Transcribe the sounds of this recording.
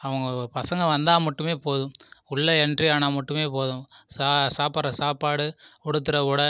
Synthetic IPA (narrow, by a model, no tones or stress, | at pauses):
ɐʋɐŋɡɐpɐsɐŋɡɐʋɐnd̪aːmɐʈːɯmeːpoːðʊ̃ʊɭːɐɛndriaːnaːmɐʈːɯmeːpoːðʊ̃saːsaːpaːɾɐsaːpaːɽɯɔɽɯt̪̬ːɯɾɐʊɽɐ